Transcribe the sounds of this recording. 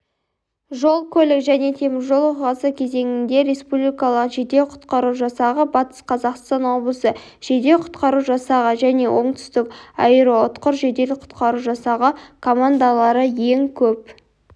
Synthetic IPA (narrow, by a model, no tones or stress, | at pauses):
ʒo̞lˠkʲʰɵlɪkʒæne̞t̪ʰe̞mɪɾʒo̞lˠoʁɑsəkʲʰe̞ze̞ŋɪnd̪e̞ɾe̞spublikɑlˠəqʒed̪e̞wqʰʊ̥t̪qɑɾuʒɑsɑʁəbɑt̪ə̥sqʰɑzɑqst̪ɑnwo̞blˠəsə | ʒ̥e̞d̪e̞wqʰʊ̥t̪qɑɾuʒɑsɑʁəʒæne̞wʔo̞ɴt̪ʰʏ̥st̪ɪkɑ̰jəɾəwot̪qəɾʒe̞d̪e̞lɪk̚qʰʊ̥t̪qɑɾuʒɑsɑʁəkʰo̞mand̪alˠɑɾəjeŋkʲʰɵp̚